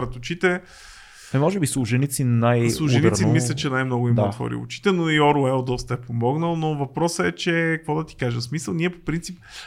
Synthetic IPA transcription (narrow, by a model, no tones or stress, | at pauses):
ɾɐt̪ʊt͡ʃit̪ɛ | ɛmɔʒɛbislˠʊʒɛnit̪sinajslˠuʒniɾimislʲɛtt͡ʃɛnajmnɔɡʊimɐɐxɔ̰ɾḭʊ̰t͡ʃi̥t̪ɛnoiɔɾuɛlˠd̪ɔst̪əɛpomɔɡnəlˠnovɐpɾɔsəɛt͡ʃɛkɐkvɔd̪ɐt̪i̥kaʒɛmsmisəlˠniɛpopɾint̪sip̚